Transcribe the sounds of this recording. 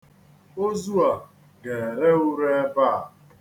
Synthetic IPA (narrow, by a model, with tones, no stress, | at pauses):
o˦zu˦a˨ | ɡe˨ɾe˦u˦ɾe˦e˦ba˦˨